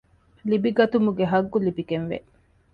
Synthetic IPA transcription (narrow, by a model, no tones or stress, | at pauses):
libiɡɐt̪umuɡeɦɐɡːulibiɡenʋḛ